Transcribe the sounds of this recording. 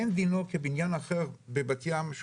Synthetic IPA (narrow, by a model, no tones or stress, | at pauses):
end̪inokebinjanaχeʁbebat̪jamʃ